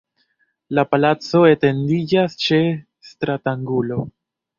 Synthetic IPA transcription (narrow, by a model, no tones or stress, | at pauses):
lapalat͡so̞e̞te̞ndid͡ʒast͡ʃe̞ | stɾataŋɡulo̞